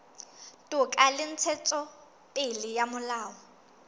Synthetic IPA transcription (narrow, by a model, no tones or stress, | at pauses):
tʼʊkʼalɪn̩t͡sʰɛt͡sʼɔ | pʼɪlɪjamʊlaːɔ